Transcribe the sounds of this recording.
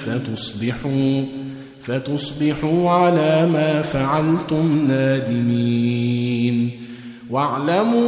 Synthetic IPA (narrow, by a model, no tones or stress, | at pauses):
fat̪ʊsˤbɪħuː | fat̪ʊsˤbɪħuːʕalaːmaːfaʕalt̪ʊmnaːd̪ɪmiː | n | waʕlamuː